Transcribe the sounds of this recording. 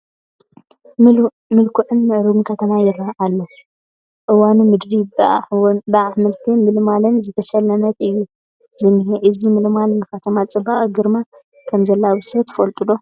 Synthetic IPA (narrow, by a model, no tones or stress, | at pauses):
mɨlkʰuʕɨnmɨʕɾunkʰɐt̪ʰɐmajɪrːɐhʕalːo | ʔɨwanumɨd̪ɾibabɨʕaħmɨlt̪ʰimɨlmalɨnzɨt̪ʰɐʃɐlːɐmɐt̪ɨjːu | zɨniɦeʔɨzimɨlmalmɨkat̪ʰɐmat͡sʼɨbaʔʼɡɨɾma | kʰɐmzɐlːaβɨsɾot̪ʰɨ̥fɐlt̪ʼɨlo̞